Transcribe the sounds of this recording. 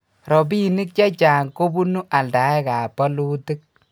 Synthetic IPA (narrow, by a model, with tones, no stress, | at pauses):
ɾɔ˨bi˦˨ni˦k̚t͡ʃa˦t͡ʃaː˨ŋko˦bu˦nu˦ʔa˨lda˨ɛ˦ka˨pɔ˦lu˦ti˦k̚